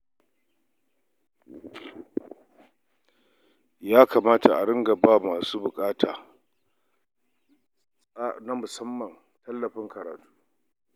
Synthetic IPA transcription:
jaː˦kaː˨maː˦ta˨ʔa˨ɽɪ˦ŋɡa˨baː˦˨maː˨suː˦bʊ˨kʼaː˦tʰaː˨ | a˦na˦mʊ˨sɐ˦mːɐ˨n | tɐ˦lːɐ˨ɸɪ˦ŋkɐ˨ɾaː˨tu̥ː˦

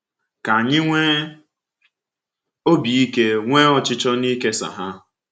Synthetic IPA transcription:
ka˨a˨ɲɪ˦ŋʷe˦ | o˦bi˨i˦ke˦ŋʷe˦ɔ˦˨t͡ʃɪ˦t͡ʃɔ˦ni˦ke˦sa̰˨ɦa˦

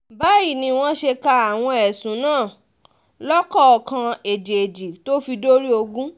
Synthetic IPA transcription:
ba˦ji˦˨nĩ˧w̃ɔ̃˦ʃe˧ka˧a˨w̃ɔ̃˧ɛ˨sũ˨˦nãː˦˨ | lɔ˦kɔ˦˨ɔ˨kã˧e˨d͡ʒe˨e˨d͡ʒi˨to˦fi˧do˦ɾi˦o˧ɡũ˦

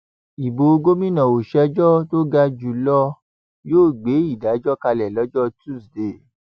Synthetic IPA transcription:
i˨bo˨o˧ɡo˦mĩ˦nã˨o˨ʃɛ˦d͡ʒɔ˦to˦ɡa˧d͡ʒu˨lɔ˦ | joː˦˨ɡ͡be˨˦i˦˨da˨˦d͡ʒɔ˦ka˧lɛ˨lɔ˨˦d͡ʒɔ˦tu˦˨sde˨

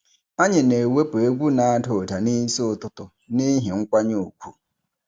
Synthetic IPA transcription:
a˦ɲe˨ne˨we˦pe˨e˦ɡʷu˦nã˨a˦to˨ta˨ni˦so˦ʊ˨tʊ˦tʊ˨ | nɪ̃˦ɦi˨ŋ̩˦kʷa˦ɲʊ˦˨o˨kʷʰu˨

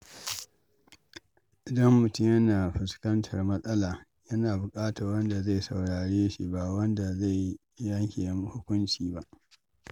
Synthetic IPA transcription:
ʔɪ˨dɐ˦mːʊ˨tʊ˦mjɐ˦naː˨ɸɪ˨skɐ˦ntʰɐ˨rmɐ˦sʼɐ˦laː˨ | jɐ˦naː˨bʊ˨kʼaː˦ta˨rwɐ˦nda˨za˦˨jsɐ˨wɽaː˨ɽeː˦ʃḭ˦ba˦˨wɐ˦nda˨za˦˨j | jɐ˦ŋkʲe˨jɐ˨m˦hʊ˦kʷʊ˦nt͡ʃiː˨ba˦ʔ

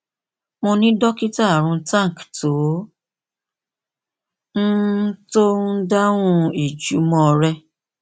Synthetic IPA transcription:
mõ˧nĩ˦dɔ˦ki˦ta˦˨ɾ̃ũ˧tã˦˨kto˨˦ | n̩˦to˦n̩˦da˦wũ˦i˨d͡ʒu˨˦mɔ̃˧ɾɛ˧

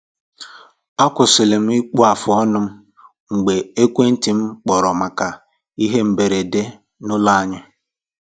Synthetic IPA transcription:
a˦kʷʊ˨sɪ˨lɪ˨m̩˦i˦k͡pu˦a˨fʊ˨ɔ˦nʊ˦m̩˦ | ŋ̩˨ɡ͡be˨e˦kʷe˦n̩˦ti˨m̩˦k͡pɔ˨ɾɔ˨ma˨ka˨ | i˦ɦe˦m̩˨be˨ɾe˨de˦ | nʊ˦la˦a˨ɲɪ˦

